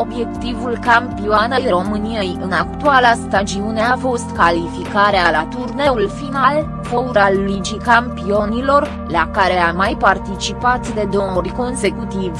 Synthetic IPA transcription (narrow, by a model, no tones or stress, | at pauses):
o̞bje̞kt̪ivulkampioanejro̞mɨnijejɨnakt̪ualast̪ad͡ʒiune̞afo̞st̪kalifikaɾealat̪urne̞ulfinal | fo̞uɾalulit͡ʃikampio̞nilo̞r | lakaɾe̞amajpart̪it͡ʃipat̪d̪e̞d̪o̞oɾʲrʲko̞nse̞kut̪iv